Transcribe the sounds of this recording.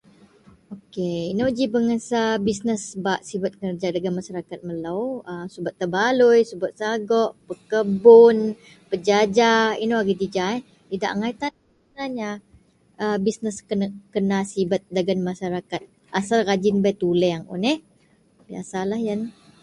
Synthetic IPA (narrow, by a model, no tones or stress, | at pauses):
okeinod͡ʒibəŋəsabisnəsəbaʔsibat̪̚kərd͡ʒadaɡanmaʃaɾakat̪̚məlawəsubat̪ːəbalʊjsubʊt̪̚saɡɔʔpəkəbʊn | pəd͡ʒad͡ʒaḭnoaɡid̪id͡ʒaɛ | t̪ida̰ʔŋait̪an | bənaɲa | əbisnəskənkənasibat̪̚daɡanmaʃaɾakat̪̚ | ʔasalrad͡ʒɪnbajt̪ulɛŋṵnɛh | bia̰salahjan